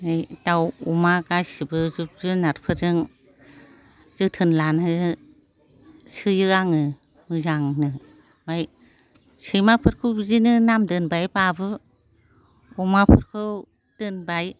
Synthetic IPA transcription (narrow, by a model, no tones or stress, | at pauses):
ɯjtawumaɡajsibɯzup̚zɯnaɾpʰɯɾɯŋ | z̥ɯtʰɯnlanɯ | sɯjɯaŋɯ | mɯzaŋnɯ | maj | sɯjmapʰɯɾkʰɯwzinɯnamdɯnbajbabɯ | ɔmapʰɯɾkʰɯw | d̥ɯnbaj